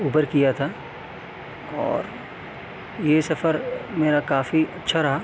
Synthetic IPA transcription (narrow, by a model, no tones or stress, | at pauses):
uːbəɾkijat̪ʰaː | ɔ̰ːɾ | jesɐfəɾmeːɾakaːfiɐtːʃʰaɾɐɦaː